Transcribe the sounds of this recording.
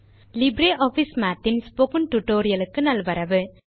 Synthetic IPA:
lɪbɾeːʔɔfismaːt̪ːɪnspokɯnʈuʈːoːɾɪjɐlɯkːɯnɐlʋɐɾɐʋɯ

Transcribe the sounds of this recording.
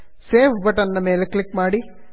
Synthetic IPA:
seːʋʋɐʈɐnːɐmeːleklikmaːɽi

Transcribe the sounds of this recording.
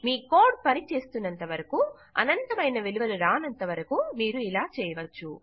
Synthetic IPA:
miːkoːɾɖ̚pɐnit͡ʃe̞ːst̪unːɐnt̪ɐʋɐɾɐku | ɐ̰nɐnt̪ɐmɐjnɐʋeluʋɐluɾaːnɐnt̪ɐʋɐɾɐkumiːɾuilaːt͡ʃɛːjɐʋɐt͡ʃːu

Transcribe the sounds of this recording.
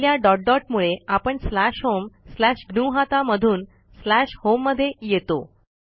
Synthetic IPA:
ljaɖɔʈ̚ɖɔʈmuɭeapəɳslæɕɦomslæɕɡnuɦat̪aməd̪ʱuːn | slæɕhomːəd̪ʱːjejet̪o

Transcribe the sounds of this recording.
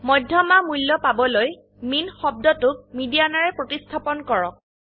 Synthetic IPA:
mɔjdʱjɔmamulːɔpabɔloj | minxɔb̚dɔtʊk̚midianaɹɛpɹotistʰapɔnkɔɹɔk̚

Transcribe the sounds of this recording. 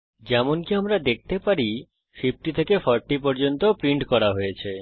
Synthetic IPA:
d͡ʑɛmonkiamɾad̪ek̚ʰt̪epaɾi | fip̚ʈit̪ʰekefɔɾʈːip̬ɔɾd͡ʑont̪opɾiɳʈkɔɾaɦojet͡ɕʰe

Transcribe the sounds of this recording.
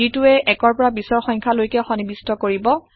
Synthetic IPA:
itʊɛʔɛkɔɹpɔɹabisɔɹxɔjŋkʰalojkɛxɔnibistɔkoɹibɔ

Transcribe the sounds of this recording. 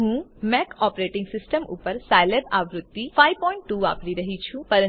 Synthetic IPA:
ɦũːmɛkʰɔpɾeʈɪ̃ŋɡsɪsʈəmṵpəɾsajlebaʋɾʊt̪ːipʰajpɔɪɳʈːua̰ːpɽiɾəɦit͡ʃʰũpəɾə̃

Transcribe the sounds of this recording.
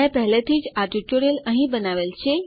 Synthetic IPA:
ẽpəɦlet̪ʰiːd͡ʑaɾʈut͡ɕoɾeləɦĩbənaʋelt͡ɕʰe

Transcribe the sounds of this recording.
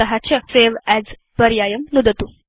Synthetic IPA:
ɐɦat͡ɕəseʋæd͡z | bəɾjajəmnud̪ət̪u

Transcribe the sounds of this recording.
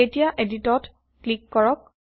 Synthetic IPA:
etijaʔeditɔt | klikːɔɹɔk̚

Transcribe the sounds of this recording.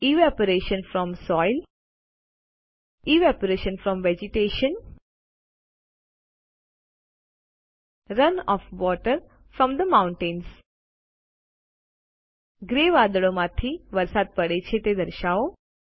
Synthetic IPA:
iʋɛpəɾeʃə̃nfɾɔ̃msɔːɪl | iʋɛpəɾeʃə̃nfɾɔ̃mʋɛd͡ʒɪʈeːʃən | ɾənɔːfʋɔːʈəɾ | fɾɔ̃md̪əmãʊ̃ɳʈẽns | ɡɾeːʋad̪əɭõmãt̪ʰiʋəɾsaːd̪̚pəɽet͡ʃʰet̪ed̪əɾʃaːo

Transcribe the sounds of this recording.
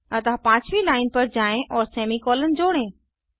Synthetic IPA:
ɐt̪apãːt͡ɕʰʋilaːɪnpɐɾd͡ʑaːẽʔɔːɾseːmikɔːlənɪ̆d͡ʑoːɽ̃ẽː

